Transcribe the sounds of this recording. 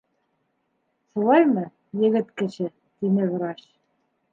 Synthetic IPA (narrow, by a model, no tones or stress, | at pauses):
ʃulˠɑjmɤ | jɘ̆ɡɘt̪kɘ̆ɕɘ | t̪inɘvɾɑɕ